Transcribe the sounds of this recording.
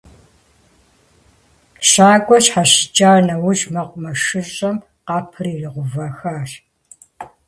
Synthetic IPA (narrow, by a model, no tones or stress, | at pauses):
ɕaːkʷʼɔɕħaɕɪ̥t͡ʃʼaːrnɐwʊʒmɐqʷʼʊmɐʂɨɕɕʼɐm | qɑːpʰɨriːriʁʷʊvaːxaːr